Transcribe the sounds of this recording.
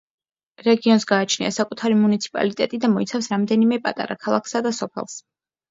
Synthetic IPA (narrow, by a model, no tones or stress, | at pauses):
ɾɛɡiɔnsɡaːt͡ʃʰnḭa̰sakʼut̪ʰaɾimunit̪sʰi̥pʼa̰lit̪ʼɛt̪ʼid̪amɔit̪sʰafsɾamd̪ɛnimɛpʼat̪ʼa̰ɾa̰kʰalˠakʰsad̪asɔpʰɛ̰lˠs